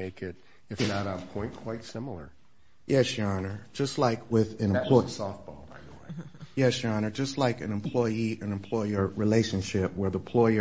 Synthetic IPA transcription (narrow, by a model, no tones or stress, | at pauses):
eɪkɪɾ | ɨfnəɾəpʰɔ̃ɪ̃nkʰw̥aɪtsɪ̃ml̩ˠə̰˞ | jɛsjɑnə̥˞d͡ʒʌstˡlaɪkʰwɪðɨ̃nɨ̃mpʰlɔsɔft̚b̥oʊa̰ɪ | jɛsjɑnə˞d͡ʒʌstˡlaɪkɨ̰̃nɨ̃mpʰl̥ɔɪiɨ̃nɨ̃mpʰl̥ɔɪə˞ɹileɪʃɨ̃nʃɪp̚wə˞ðəpʰl̥ɔɪə